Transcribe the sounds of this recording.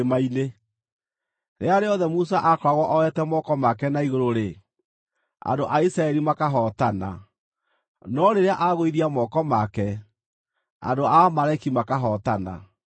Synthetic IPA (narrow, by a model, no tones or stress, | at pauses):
maine | ɾeaɾeɔðɛmus̬aʔakɔɾaɣwɔʔɔɛtɛmɔkɔmakɛnaiɣoɾoɾe | a̰ndoʔaisɾaɛɾimakaɦɔtana̰ | nɔɾeɾeaʔaɣoiðiamɔkɔmakɛ | a̰doamaɾaikimakaɦɔtana̰